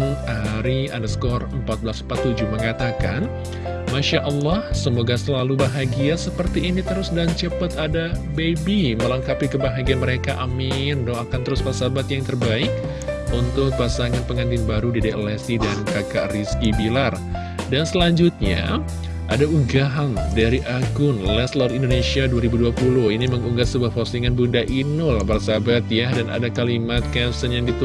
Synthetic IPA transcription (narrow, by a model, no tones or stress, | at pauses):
ŋaɾia̰nəskɔrəmpat̪̚bəlasəmpat̪ːud͡ʒuməŋat̪aka̰n | maʃaʔəlːɑhsəmoɡasəlalubaɦaɡiasəpərt̪iʔːnit̪əɾʊsədaŋt͡ʃəpət̪adabebiməlaŋkapikəbaɦaɡianməɾekaʔamɪndɔakant̪əɾʊspasabat̪jaŋt̪ərbaɪk̚ | unt̪ʊk̚pasaŋanpəŋand̪ɪnbaɾudideʔlɛsidankakaʔriskibilar | dansəlaɲd͡ʒʊt̪̚ɲa̰ | ʔadauɡaɦandaɾiʔaɡʊnlɛslɔrindonesiaduaɾibuduapulʊhiniməŋuŋɡat̪səbuahposiŋanbundaʔinʊlbarsabat̪jadana̰dakalimat̪̚kasənjaŋdit̪u